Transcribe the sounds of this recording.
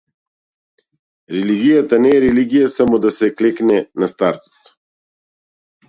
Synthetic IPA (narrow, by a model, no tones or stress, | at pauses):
ɾeliɡijat̪anɛɾɛliɡijasamod̪asɛkliknɛnast̪aɾt̪